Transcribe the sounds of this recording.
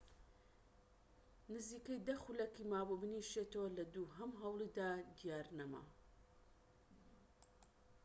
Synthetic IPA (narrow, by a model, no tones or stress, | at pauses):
nɨziːkɐjd̪ɐxulɐkimaːbubɨniʃet̪ɐwɐlɐd̪uːɦɐmɦɐwlˠiːd̪aːd̪ijaːɾnɐma̰